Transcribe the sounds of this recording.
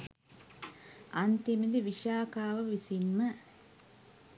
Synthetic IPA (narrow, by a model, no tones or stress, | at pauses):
ant̪imid̪iʋiʃaːkaːʋəʋisimːə